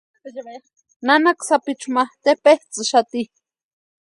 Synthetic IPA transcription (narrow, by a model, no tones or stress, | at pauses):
nanaksapit͡ʃumat̪epeht͡sɨʃat̪i